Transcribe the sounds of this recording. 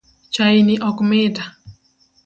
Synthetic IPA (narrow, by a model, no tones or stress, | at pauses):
t͡ʃainiʔɔkmɪda